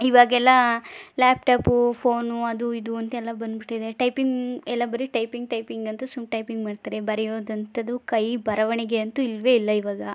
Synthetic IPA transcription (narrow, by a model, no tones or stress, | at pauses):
iʋaːɡɛlːɐlaːp̚ʈaːpupʰoːnuɐd̪uid̪uɐnt̪ɐɛlːɐbɐnd̪biʈːid̪eʈɐjpiŋɡɛlːɐbɐɾiʈɐjpiŋɡ̚ʈɐjpiŋɡɐnt̪ɐsumʈɐjpiŋɡmaːɖt̪aːɾebɐɾɛjoːd̪ɐnt̪ʰɐd̪ukɐjbɐɾɐʋɐɳiɡe̞ɐnt̪uilʋe̞ːilːɐiʋaːɡɐ